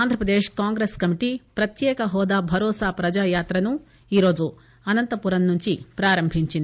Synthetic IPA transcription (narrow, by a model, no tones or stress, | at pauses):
aːnd̪ʱɾɐpɾɐd̪eːʃkaːŋɡɾeːskɐmiʈipɾɐt̪jɛːkɐɦɔːd̪aːbʱɐɾɔːsaːpɾɐd͡ʒaːjaːt̪ɾɐnu | iːɾo̞ːd͡ʒu | ɐnɐnt̪ɐpuɾɐnnuɲt͡ʃipɾaːɾɐmbʱiɲt͡ʃind̪